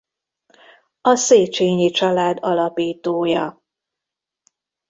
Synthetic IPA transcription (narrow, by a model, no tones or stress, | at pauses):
ɒseːt͡ʃeːɲit͡ʃɒlaːd̪ɒlɒpiːt̪oːjɒ